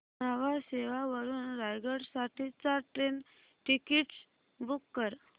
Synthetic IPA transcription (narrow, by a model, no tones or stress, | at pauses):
nəʋaseʋaʋəɾuːnɾajɡəɽsaʈʰiːt͡saʈɾen | ʈikiʈs | bukːəɾ